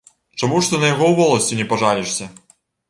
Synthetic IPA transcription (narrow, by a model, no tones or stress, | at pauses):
t͡ʂɐmuʂt̪ɔnɐjɐɣɔwvɔlˠɐsʲtʲinʲɛpɐʐalʲiʂsʲɐ